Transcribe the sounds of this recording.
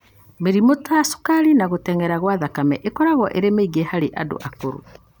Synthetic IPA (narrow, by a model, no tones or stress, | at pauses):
meɾimotoaso̥kaɾinaɣotɛŋɛɾaɣwaðakamɛʔekɔɾaɣwɔʔeɾemeiɡehaɾeʔado̰ʔakoɾo̰